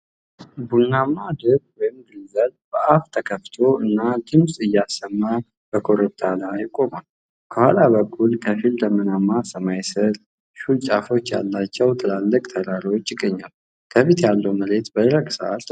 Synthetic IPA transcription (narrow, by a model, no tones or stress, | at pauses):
bulnamːad̪ɨbwɔjɪmɡɨlzəlbəʔaft̪ʰəkʰəft̪ʰo̞ɨnːad̪ɨmsʼɨjːasːəmːa | b̥əkʰo̞ɾəb̚t̪ʰalajɪkʼo̞mal | kʰəhalaβəkʰʼːulkʰəfild̪əmənamːasəmajsəɾ | ʃult͡ʃʼafo̞t͡ʃːja̰lːat͡ʃːɛwt̪ʰɨlalːəkʼt̪ʰəɾaɾiwo̞t͡ʃːjɪɡːəɲːal | kʰəfit̪jalːəwməle̞t̪bəd̪ɾəɡsə̰ʔa̰lt̪